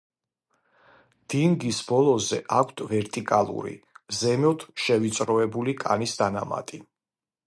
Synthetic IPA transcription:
d̪̥iŋɡisbɔlˠɔzɛʔakʷʰt̪ʰvɛɾt̪ʼikʼalˠṵɾḭzɛmɔt̪ʰʃɛvit̪sʼɾɔɛbulikʼa̰nisd̪anama̰t̪ʼi

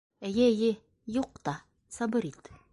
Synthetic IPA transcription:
æjæjɘ | juq̚t̪ɑ | sɑbɤɾit̪

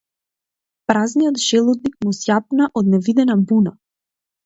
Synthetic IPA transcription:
pɾaznijɔt̪ʒɛlˠɔd̪nik̚musjapnaʔɔd̪̚nɛvid̪ɛnabuna

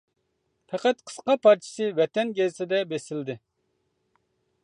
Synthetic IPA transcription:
fʰɛqæt̪̚qʰə̥sqɑpɑɾt͡ʃʰi̥sɨvɛt̪ɛnɡʲezɪsɪd̪ɛbesɪld̪ɪ

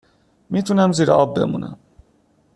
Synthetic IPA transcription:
miːt̪ʰunæmziːɾeɒːbːe̞̰mṵːnʔæ̰m

